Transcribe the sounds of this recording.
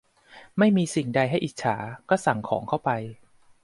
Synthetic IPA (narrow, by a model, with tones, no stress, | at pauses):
ma˥˩jmiː˧si˨˩ŋda˧jɦa˥˩jʔi˨˩t̪̚t͡ɕʰa̰ː˩˦kɔː˥˩sa˨˩ŋkʰɔː˩˦ŋkʰa˥˩wpa˧j